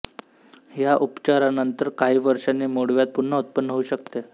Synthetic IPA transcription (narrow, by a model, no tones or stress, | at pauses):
ɦjaʔupt͡ɕaɾanənt̪əɾkaɦiːʋəɾʂanːiːmoɽʋjat̪̚puɳːəut̪̚pənːɦəuːɕək̚t̪e